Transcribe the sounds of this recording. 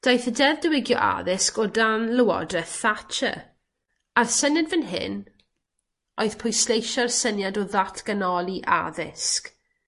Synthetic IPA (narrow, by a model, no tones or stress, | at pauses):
d̥ajθədɛvdəwɪɡjɔ̰ʔa̰ðɪskɔdanləwɔ̰drɛθat͡ʃʰə̰ | arsənjadvənɦɪ̰n | oɨðpʰʊjslˠejʃɔrsənjadɔðatʰɡ̥ənɔlˠiʔa̰ðɪ̰sk